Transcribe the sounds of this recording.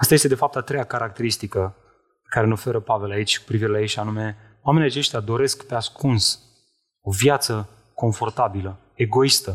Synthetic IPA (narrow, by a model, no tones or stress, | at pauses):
ast̪ajest̪ed̪e̞fap̚t̪at̪ɾejakaɾak̚t̪e̞ɾist̪ikə | ekaɾe̞no̞fe̞ɾəpave̞lait͡ʃʲku̥pɾiviɾe̞lajeʃanume̞ | oame̞niat͡ʃe̞ʃt̪ʲjad̪o̞ɾe̞skpeaskuns | o̞vjat̪sə | ko̞ɱfo̞rt̪abilə | e̞ɡo̞ist̪ə